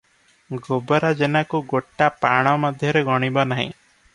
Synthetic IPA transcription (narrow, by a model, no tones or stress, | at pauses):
ɡobɔɾad͡ʒenakuɡoʈːapaɽ̃ɔmɔd̪ʱjɔɾeɡɔɽ̃ibɔnaɦḭ̃